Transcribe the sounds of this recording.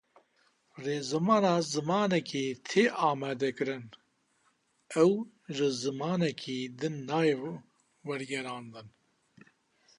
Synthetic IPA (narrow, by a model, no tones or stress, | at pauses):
reːzɨmɑːnɑːzɨmɑːnɛkʰiːt̪ʰeːʔɑːmɛːd̪ɛkɨɾɨn | ɛw | ʒɨzɨmɑːnɛkʰiːd̪ɨnːɑːje | wɛɾɡɛɾɑːnd̪ɨn